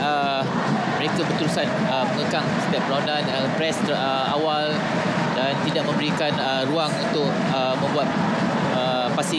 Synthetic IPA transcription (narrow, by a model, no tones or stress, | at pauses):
ə | məɾekabərt̪uɾusan | əməŋəkaŋsə̥t̪iap̚əɾaunanəpɾɛst̪ | ə | a̰wal | dant̪idaʔ̚mə̃mbəɾikanəɾuaŋunt̪ʊk̚ | əmːə̃mbuat̪̚ | ə | pasi